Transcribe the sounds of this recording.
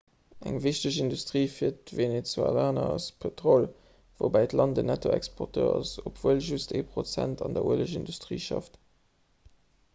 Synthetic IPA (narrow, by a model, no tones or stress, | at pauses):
æŋviʃtəɕindustʁiːfiːɐtvenet͡sua̰laːnɐɑspʰetʁol | vobæɪtlɑndənætʰoɛkspʰɔʁtʰøːɑsopv̥uəlʒustḛːpʁot͡sæntɑndɐuələʃindustʁiːʃɑ̰ft